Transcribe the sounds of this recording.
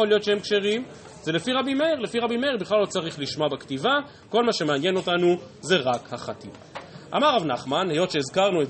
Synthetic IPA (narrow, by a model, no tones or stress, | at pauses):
olijo̞t̪ʃehemkʃe̞ʁim | zelefiʁabimeeʁle̞fiʁabime̞eʁbiχlalːo̞t͡saʁiχliʃmoabektiva | ko̞lmaʃe̞meanje̞no̞tanu | ze̞ʁakhaχatḭm | ʔa̰maʁavnaχmanhe̞jo̞tʃe̞izkaʁnue